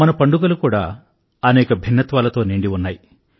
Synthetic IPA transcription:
mɐnɐpɐɳɖuɡɐlukuːɽa̰ː | ɐnɛːkɐbʱinːɐt̪ʋaːlɐt̪o̞ːniːɳɖiunːaːji

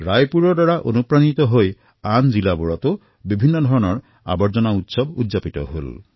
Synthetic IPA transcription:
ɹajpuɹɔɹdaɹaʔonupɹanit̪ɔɦoj | anzilabɔɹɔt̪o | bibʱinːɔd̪ʱɔɹɔnɔɹ | a̰bɔɹzɔnaut̪sɔbṵdzapit̪ɔ̰ɦo̰l

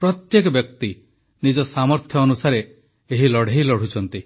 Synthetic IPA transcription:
pɾɔt̪jekɔbjɔkt̪i | nid͡ʒɔsamɔɾt̪ʰjɔːnusaɾe | eɦilɔɽ̤ʱeɦjlɔɽ̤ut͡ʃʰɔnt̪i

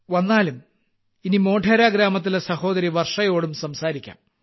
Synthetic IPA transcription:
ʋɐnːaːlum | inimo̞ːʈʰɐɾaːɡɾaːmɐt̪ːilesɐho̞ːd̪ɐɾiʋɐrʂɐjo̞ːɽumsɐmsaːɾikʲːa̰ːm

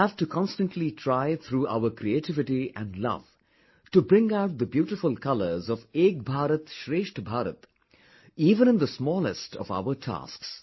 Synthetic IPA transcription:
æv̥ʈukʰɑ̃nstə̃nʈʰlitʰɾaɪt̪ʰɾuːʔa̰ʊəɾkʰɾieʈɪvɪʈiæ̰̃nɖlʌ̰v̥ | ʈubɾɪ̃ŋaʊʈ̚d̪əbjuːʈɪfʊlkʰʌlə˞zɔveːk̚bʱaːɾət̪ʃɾeːʃʈbʱaːɾə̰t̪ | iːvə̃ñɨ̃nd̪əsmɔːlɪstʰɔ̰va̰ʊəʈʰa̰ːsks

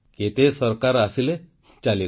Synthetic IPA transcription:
ket̪esəɾkaɾasile | t͡ɕali

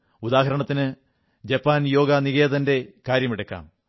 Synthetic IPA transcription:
ud̪aːɦɐɾɐɳɐt̪ːinɨ | d͡ʑɐpːaːnjo̞ːɡɐniɣe̞ːðɐnde̞kaːɾjɐmiɽɐkːa̰ːm

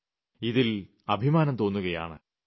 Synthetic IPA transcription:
iðil | ɐbʱimaːnɐmt̪o̞ːnːuɣɐja̰ːɳɨ̰

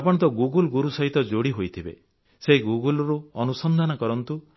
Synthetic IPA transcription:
apɔɽ̃t̪ɔɡuɡɔlɡuɾusɔɦit̪ɔd͡ʒoɽiɦojt̪ʰibḛ | seɦiɡuɡɔlɔɾuɔnusɔnd̪ʱanɔkɔɾɔnt̪u

